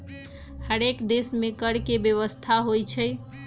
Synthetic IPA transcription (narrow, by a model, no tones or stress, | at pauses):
həɾekd̪esmekəɽkebjəʋəst̪ʰaɦojt͡ʃʰəj